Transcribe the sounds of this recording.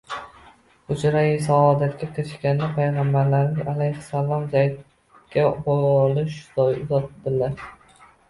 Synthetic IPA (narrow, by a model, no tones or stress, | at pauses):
ʊt͡ʃʰɾajisaɒd̪at̪̚kʲakʲʰɾɪʃkʲanːapʰajʁɑmbaɾlaɾnɪŋʔalajhsalˠɒmzajd̪ | kʲabɒlɪʃd̪ɒjʊzɒt̪d̪ɪlaɾ